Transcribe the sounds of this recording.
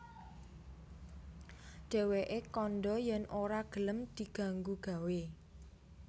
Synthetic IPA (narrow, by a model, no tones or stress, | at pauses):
ɖ̥ɛ̤weʔekɔnɖɔjɛnʔoɾaɡ̥ə̤ləmd̪̥i̤ɡ̥a̤ŋɡuɡ̥a̤we